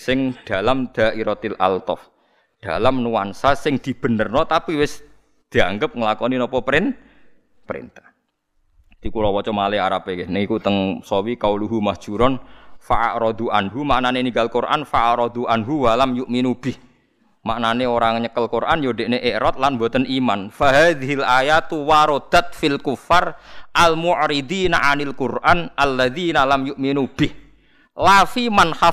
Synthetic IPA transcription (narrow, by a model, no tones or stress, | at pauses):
sɪŋd̪̥a̤lamd̪̥a̤ʔiɾɔt̪ilʔa̰lt̪ɔ̰f | d̪̥alamnuwansasɪŋd̪̥i̤b̥ə̤nərnɔt̪apiwɪs | d̪̥i̤aŋɡəp̚ŋəlakɔninɔpɔpɾɪn | pəɾḭnt̪ḁh | t̪ikulɔwɔt͡ʃɔmaleaɾapekenəŋikut̪əŋsɔwikauluɦumasʒ̥ṳɾɔnfaʔa̰ʔɾɔd̪uʔanɦumaʔnaneniŋɡalkurʔa̰nfaʔaʔɾɔd̪uʔanɦuwalamjuʔminub̥ɪh | maʔnaneoɾaŋɲəkəlkurʔanjoɖeʔneʔeʔɾɔt̪̚lanmbot̪ənʔimanfaɦaːðiɦilʔajat̪waɾɔd̪̥at̪̚filkufarʔalmuʔɾid̪iːnaʔanalkurʔanʔalːaðinalamjuʔminub̥ɪh | lafimanxa